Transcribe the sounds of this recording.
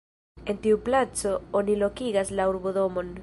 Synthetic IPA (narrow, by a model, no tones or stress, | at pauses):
e̞ntiuplat͡so̞onilo̞kiɡaslauɾboðo̞mo̞n